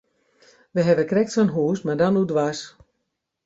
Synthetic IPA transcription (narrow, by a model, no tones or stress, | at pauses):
ʋəɦɛʋəkrɛk̚tsonɦuːsmardɔnudʋas